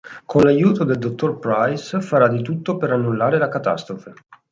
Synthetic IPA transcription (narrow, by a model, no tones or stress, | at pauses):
kʰonlajuːt̪od̪eld̪ot̪ːorpɾajsfaɾad̪it̪ut̪ːopeɾanːulːaːɾelakat̪a̰st̪ɾofe